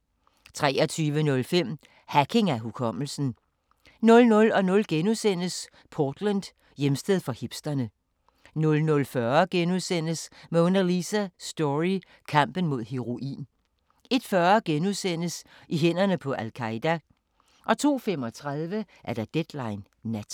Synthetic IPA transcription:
t͡sʰʁɛ̰ːɒt͡sʰyːʋənɔ̽lfem̰ | hækʰe̝ŋæɦukʰɒ̽m̰l̩sn̩ | nɔ̽lnɔ̽lɒ̽nɔ̽lɡ̥enusen̰əs | pʰɒːd̥lænd̥ | jemsd̥eðˠfɒ̽hib̥sd̥ɐnə | nɔ̽lnɔ̽lfɶɐɡ̥enuðˠsen̰əsmeɔ̽nɐlisæsd̥ɒʁi | kʰɑm̰b̥ən̩mo̝ð̰ˠheʁo̝ʔḭːn | e̝d̥fɶɐɡ̥enuðˠsen̰əs | iɦen̰ɐnəpʰɒ̽ʔælkʰɑ̈ɪd̥æ | ʔɒ̽t͡sʰo̝̰ːfem̰ɒ̽t͡sʰʁaðˠʋə | ʔæɐd̥ɑd̥ed̥lɑ̈ɪnː | æd̥

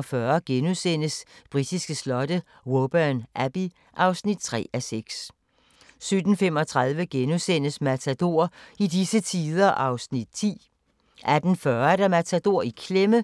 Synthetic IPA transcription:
fɶɐɡ̥enusen̰əsb̥ʁid̥isɡ̥əslɒ̽ɾ̥ə | ʁob̥ænʔæb̥i | ʔɑ̈ʊsnid̥̚t͡sʰʁɛ̰ːæseɡ̥s | sød̥n̩fem̰ɒ̽t͡sʰʁɑð̞ˠʋəɡ̥enusen̰əsmæt͡sʰæd̥o̝̰ːɐ̰idisət͡sʰiːðˠɐʔɑ̈ʊsnid̥̚t͡sʰḭː | ʔæd̥n̩fɶɐæd̥æmæt͡sʰæd̥o̝ɐ̰ikʰlemə

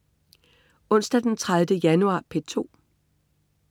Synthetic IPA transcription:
ɔ̽n̰sd̥æd̥ent͡sʰʁaðdəjænuɑ̰̈ːpʰe̝t͡sʰo̝̰ː

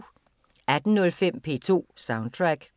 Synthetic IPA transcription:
æd̥n̩nɔ̽lfem̰pʰe̝̰ːt͡sʰo̝̰ːsɑ̈ʊnd̚t͡sʰʁaɡ̥

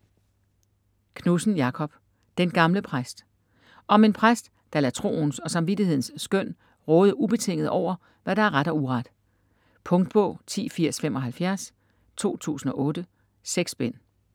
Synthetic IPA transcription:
kʰnusn̩jɑ̈kʰɒ̽b̥ | d̥enɡ̥ɑ̈mləpʰʁasd̥ | ɒ̽me̝npʰʁasd̥ːɑ̈læt͡sʰʁo̝̰ːnsɒ̽sɑ̈mʋid̥ihe̝ð̞̰ˠn̩sːɡ̥øn̰ | ʁɔːð̞̩ˠəub̥e̝t͡sʰe̝ŋ̰ð̩ˠʔɒʊ̰ɐ | ʋæɾ̥ɑ̈æɐʁaɾ̥ɒuʁɑd̥ | pʰɔ̽ŋd̥̚b̥ɔ̰̽ːt͡sʰḭːfiɐ̰sfemɒ̽ɦælfjæɐs | t͡sʰo̝̰ːt͡sʰṵːsn̩ɒ̽ʔɔ̽ːd̥ə | seɡ̥sb̥en̰

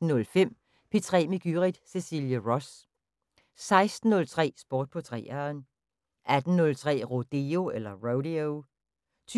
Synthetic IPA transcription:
n̩nɔ̽lfem̰ | pʰet͡sʰʁɛ̰ːmiɡ̥yʁid̥se̝siljəʁɒs | sɑ̈ɪsd̥n̩ːɔ̽lt͡sʰʁɛ̰ːsb̥oːd̥̚pʰɒ̽t͡sʰʁɛ̰ːɐn | ʔæd̥n̩nɔ̽lt͡sʰʁɛ̰ːʁod̥eo̝elɐʁoʊɾioʊ | t͡sʰ

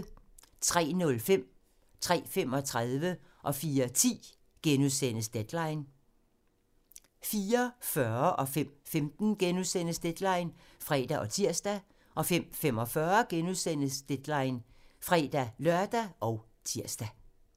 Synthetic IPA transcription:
t͡sʰʁɛ̰ːnɔ̽lfem̰ | t͡sʰʁɛ̰ːfem̰ɒ̽t͡sʰʁaðˠʋə | ʔɒ̽fiːɐt͡sʰḭː | ɡ̥enuðˠsen̰əsd̥ed̥lɑ̈ɪn | fiːɐfɶɐʔɒ̽fem̰femd̥n̩ɡ̥enuðˠsen̰əsd̥ed̥lɑ̈ɪn | fʁɛ̰ːd̥æʔɒ̽t͡sʰiɐ̰sd̥æ | ʔɒ̽fem̰fem̰ɒ̽fɶɐɡ̥enuðˠsen̰əsd̥ed̥lɑ̈ɪn | fʁɛd̥ælɶɐd̥æʔɒ̽ʊ | t͡sʰiɐ̰sd̥æ

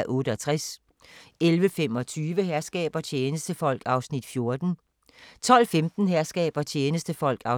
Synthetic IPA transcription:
ʔɔ̽ːɾəɒ̽t͡sʰʁas | elʋəfemɒ̽t͡sʰyːʋəheɐsɡ̥ɛ̰ːb̥ɐt͡ɕʰeːnəsd̥əfɒ̽l̰ɡ̥ɑ̈ʊsnid̥fjo̝ɐd̥n̩ | t͡sʰɒ̽l̰femd̥n̩ɦeɐsɡ̥ɛ̰ːb̥ɐt͡ɕʰeːnəsd̥əfɒ̽l̰ɡ̥ɑ̈

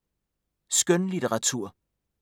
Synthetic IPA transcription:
sɡ̥œnlideʁɑ̈t͡sʰuɐ̰

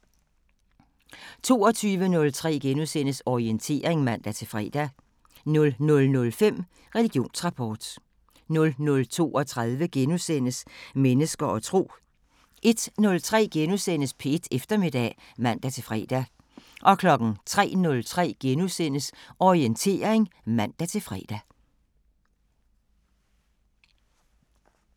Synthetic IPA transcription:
t͡sʰo̝ːɒ̽t͡sʰyːʋənɔ̽lt͡sʰʁɛ̰ːɡ̥enusen̰əsɒient͡sʰe̝̰ːɐ̰ʁeŋmæn̰d̥æt͡sʰe̝lfʁɛ̰ːd̥æ | nɔ̽lnɔ̽lnɔ̽lfem̰ | ʁɛliɡ̥jo̝̰ːnsʁɑ̈pʰɒːd̥ | nɔ̽lnɔ̽lt͡sʰo̝̰ːɒ̽t͡sʰʁaðˠʋəɡ̥enusen̰əsmenəsɡ̥ɐʔɒ̽t͡sʰʁo̝̰ː | ʔe̝d̥nɔ̽lt͡sʰʁɛ̰ːɡ̥enusen̰əspʰeed̥efd̥ɐme̝d̥ɛ̰ | mæn̰d̥æt͡sʰe̝lfʁɛ̰ːd̥æ | ʔɒ̽kʰlɒ̽ɡ̥n̩t͡sʰʁɛ̰ːnɔ̽lt͡sʰʁɛ̰ːɡ̥enusen̰əsɒʁient͡sʰe̝̰ːɐeŋmæn̰d̥æt͡sʰe̝lfʁɛ̰ːd̥æ

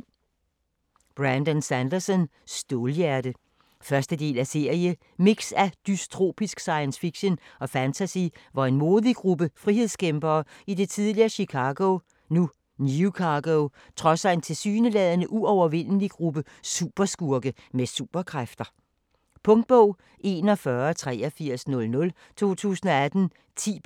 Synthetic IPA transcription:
b̥ʁænd̥ɒnsænd̥ɐsɔn | sd̥o̝ːljæɐd̥ə | fɶɐsd̥əd̥e̝̰ːlæse̝ɐ̰jə | miɡ̥sæd̥yst͡sʰʁo̝̰ːb̥isɡ̥sɑ̈ɪənsfiɡ̥ɕənɒ̽fænt͡sʰæsḭʋɑ̈e̝nmo̝ːðˠiɡ̥ʁub̥əfʁihe̝ð̞̰ˠskʰemb̥ɐːid̥e̝t͡sʰið̞ˠliɐːɕikʰɑ̈ɡ̥o | nu | njukʰɑɡ̥oʊ | t͡sʰʁɒ̽sæe̝nt͡sʰe̝lsy̰ːnəlɛːðˠənəʔuɒʊɐʋe̝n̰əliɡ̥ʁub̥ə | sṵːb̥ɐsɡ̥uɐɡ̥ə | mesṵːb̥ɐkʰʁafd̥ɐ | pʰɔ̽ŋd̥̚b̥ɔʊ̰ | ʔe̝ːnɒ̽fɶɐt͡sʰʁɛ̰ːɐfiɐ̰snɔ̽lnɔ̽l | t͡sʰo̝̰ːt͡sʰṵːsn̩ɒ̽æd̥n̩ | t͡sʰḭː

